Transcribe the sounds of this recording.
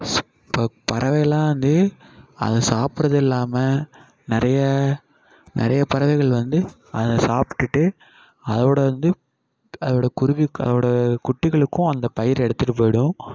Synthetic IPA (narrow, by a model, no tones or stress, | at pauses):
s | pːoːpɐɾɐʋɐjɐlãːʋɐnd̪ɯɐ̰ðɛsaːpɯɾɐðɪlːaːmɐ | nɪɾɐjɐ | nʔɪ̰ɾɐjɐpɐɾɐʋɐɪɣɐɭʋɐnd̪ɯ | ɐ̰ðɐsaːpɪ̥ʈːɯʈːɯ | ɐðɐʋɪɽɐʋɐnd̪ɯ | ɐðɐʋɪɽɐkʊɾʊʋiɐ̰ðɐʋɯɽɐkʊʈːɪɣɐɭɯkːʊ̃ɐnd̪ɐpɐjɪɾɛɽɯt̪ːɯʈɯp̬ːoːjɽʊ̃